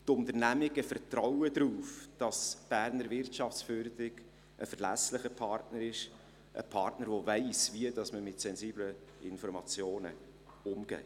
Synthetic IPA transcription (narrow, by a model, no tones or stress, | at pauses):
tʊnt̪əɾnæmɪɡ̥əfərtɾɔwədɾuːfd̥ɑsb̥æɾnəɾvɪrtʃɑft͡sfyːɾdɪɡ | ʔəfəɾlæsləχəpʰɑrtnəɾɪʃ | ʔə̰pʰɑrtnəɾvovæɪsviəd̥ɑsməmɪtsɛnziːbləɪnfɔɾmɑt͡sjoːnə̰ | ʊmɡ̥ɛ̰ː